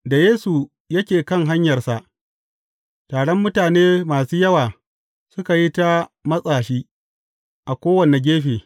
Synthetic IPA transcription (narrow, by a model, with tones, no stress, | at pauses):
da˨jeː˦su˨ | jɐ˦kʲeː˨kɐ˦ŋɦa˦ɲjɐ˨rsa˨ʔ | taː˨ɽɔ˦mːʊ˦taː˨neː˦maː˨suː˦jɐ˦waː˨ | sʊ˦ka˨ji˦ta˦mɐ˦sʼaː˨ʃiː˦ | ʔa˨kʷoː˦wɐ˨ne˨ɡʲeː˦ɸeː˨